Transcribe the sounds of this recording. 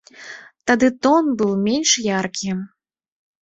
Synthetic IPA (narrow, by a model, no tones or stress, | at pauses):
t̪ad̪ɨt̪ɔnbɨwmʲenʲʂjarkʲi